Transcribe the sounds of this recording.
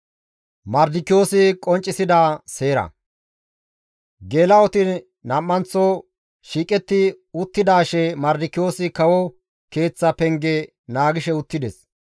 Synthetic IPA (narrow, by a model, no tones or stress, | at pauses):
mɐɾd̪ɪkːɪjo̞ːsɪkʼɔnt͡ʃʼːɪsɪd̪aːse̞ːɾɐ̰ | ɡeːlɐɔt̪ɪ | nɐmːɐnt͡sːɔ | ʃiːkʼɛt̪ːɪ | ʊt̪ːɪd̪aːʃɛmɐɾd̪ɪkːɪjo̞ːsɪkɐwɔ | ke̞ːt͡sːɐpɛŋɡɛ | naːɡɪʃɛʊt̪ːɪd̪ɛs